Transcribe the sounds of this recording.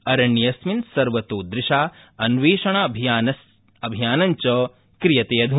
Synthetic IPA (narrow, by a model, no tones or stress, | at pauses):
ɐɾɐɳːijɐsminsɐɾʋɐt̪oːd̪ɾɪʃaː | ɐnʋeːʃɐɳaɐbʱijaːnɐs | ɐbʱijaːnɐɲt͡ʃɐ | kɾijɐt̪eːɐd̪ʱu